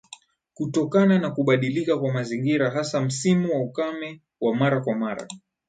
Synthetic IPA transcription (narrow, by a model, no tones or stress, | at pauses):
kutɔkananakuɓaɗilikakwamaziŋɡiɾaɦasam̩simuwaukamɛ | wamaɾakwamaɾa̰